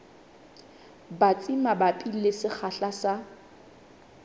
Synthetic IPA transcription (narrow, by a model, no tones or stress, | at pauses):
bat͡sʼimabapʼilɪsɪk͡xʰaɬasa